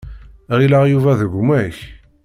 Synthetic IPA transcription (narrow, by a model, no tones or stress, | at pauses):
ʁilaʁjuvæðəɡʷmæç